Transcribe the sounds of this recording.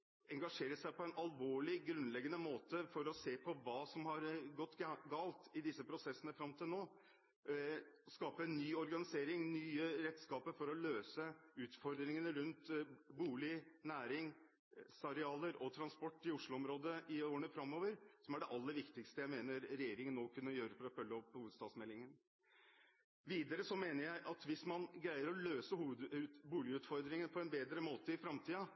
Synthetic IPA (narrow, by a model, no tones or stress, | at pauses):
ɛŋɡɑʂeːɾəʂæɪpɔɛnʔɑlʋoːɭɪɡɾʉnlɛɡːənəmoːt̪əfɔɾɔseːpʰɔʋɑːsɔmhɑɾɡɔt̪ːɡɑːlt̪ɪd̪ɪsːəpʰɾʊsɛsːənəfɾɑmt̪ʰɪlnoː | skɑːpənːyːɔɾɡɑnɪseːɾɪŋnyːəɾɛt̪ːskɑːpəɾfɔɾɔløːsəʉːt̪fɔɾd̪ɾɪŋənəɾʉnt̪buːlɪnæːɾɪŋ | sɑɾɛɑːləɾɔt̪ʰɾɑnspɔʈːɪʊʂlʊɔmɾoːd̪əɪoːəɳəfɾɑmːoːʋəɾsɔmæɖɛʔɑlːəɾʋɪkt̪ɪkst̪əjæɪmeːnəɾɾɛjeːɾɪŋənːoːkʰʉnːəjøːɾəfɔɾɔfœlːəɔpːhuːʋəd̪st̪ɑːd̪smɛlːɪŋən | ʋiːd̪əɾəsɔmeːnəɾjæɪʔɑt̪ʋɪsmɑnɡɾæɪəɾɔløːsəhuːʋəd̪ʉbuːlɪʉːt̪fɔɾd̪ɾɪŋənəpʰɔɛnbeːd̪ɾəmoːt̪əɪfɾɑmt̪ʰiːɑ